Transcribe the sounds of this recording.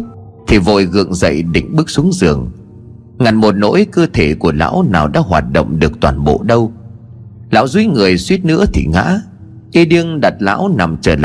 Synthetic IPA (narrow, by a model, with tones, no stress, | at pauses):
t̪ʰi˨˩vo̰˧˨jɣɨ̰˧˨əŋzə̰˧˨jɗḭ̈˧˨ŋ̟ɓɨ˦˥k̚su˨˦əŋzɨ˨˩əŋ | ŋa˨˩nmo˨˩t̚no̰˧˥jkə˧t̪ʰe˧˩ku˧˩əla̰ː˧˥wnaː˨˩wɗa̰ː˧˥ɦwa̰ː˨˩t̚ɗo̰˧˨wŋ͡mɗɨ˨˩ək̚t̪waː˨˩nɓo̰˧˨ɗə˧w | la̰ː˧˨wzi˧˦ŋɨ˨˩əjswi˦˥ət̚nɨ̰˧˥ət̪ʰḭ˨˩ŋa̰ː˧˥ | ʔi˧ɗi˧əŋɗa˨˩t̚la̰ː˧˥wna˨˩mt͡ɕəː˧˩l